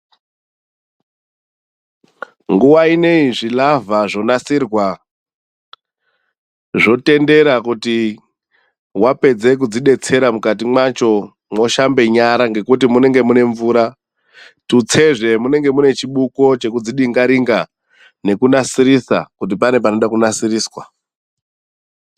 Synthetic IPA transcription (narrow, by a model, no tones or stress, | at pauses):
ŋɡuwaine̞iʐilavaʐo̞nasirwa | ʐo̞te̞nde̞ɾakuti | wape̞d͡ze̞k̬ud͡ziɗe̞t͡se̞ɾamukat̬imwat͡ʃo̞ | mwo̞ʃambe̞ɲaɾaŋɡe̞kut̬imune̞ŋɡe̞mune̞ɱvuːɾa | tut͡se̞ʐe̞mune̞ŋɡe̞mune̞t͡ʃiɓuko̞t͡ʃe̞kud͡ziɗiŋɡaɾiŋɡa | ne̞kunasiɾisa̰kut̬ipane̞p̬ano̞ɗakunasiriːswa